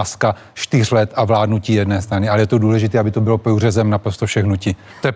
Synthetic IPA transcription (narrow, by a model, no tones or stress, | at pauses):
ska | ʃt̪ɪr̝lɛt̪avlaːdnuciːjɛdnɛːst̪ɾanɪalɛjɛt̪o̞duːlɛʒɪt̪ɛːabɪt̪o̞bɪlo̞purɛzɛmnapɾo̞st̪ofʃɛxnuci | t̪ojɛ